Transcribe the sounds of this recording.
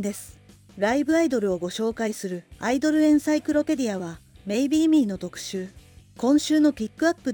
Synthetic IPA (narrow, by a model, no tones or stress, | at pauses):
d̪e̞sɨ̥ | ɾaibɯ̟aid̪o̞ɾɯ̟o̞ɡo̞ɕo̞ːkaisɨɾɯ̟aid̪o̞ɾɯ̟ẽ̞ɰ̃saikɯ̟ɾo̞pe̞d̪ʲiaβame̞ibʲiːmʲiːno̞t̪o̞kɯ̟̥ɕɨːkõ̞ɰ̃ɕɨːno̞kʲikːɯ̟apːɯ̟